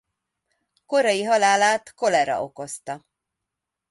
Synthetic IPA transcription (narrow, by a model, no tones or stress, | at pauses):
ko̞ɾɒjiɦɒlaːlaːt̪ko̞lɛɾɒ̰ʔo̞ko̞st̪ɒ